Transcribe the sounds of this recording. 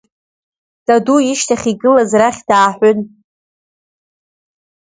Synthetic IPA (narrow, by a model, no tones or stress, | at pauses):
d̥aduiʃtʰaχʲiɡɨlazraχʲdaːħʷʊn